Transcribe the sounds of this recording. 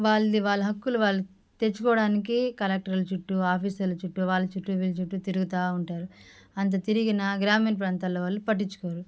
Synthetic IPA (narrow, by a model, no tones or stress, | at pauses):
ʋaːɭːiʋaːɭːɐɦɐkːuluʋaːɭːu | t̪et͡ʃːukɔːɽaːnikikɐlɛk̚ʈɐɾlut͡ʃuʈːuaːpʰiːsɐlːɐt͡ʃuʈːuʋaːɭːɐt͡ʃuʈːuʋilt͡ʃuʈːut̪iɾuɡut̪aːuɳʈaːɾu | ɐnt̪̬ɐt̪iɾiɡinɐɡɾaːmiːnpɾaːnt̪aːloːʋaːlːupɐʈ̬ːit͡ʃːu̥koːɾu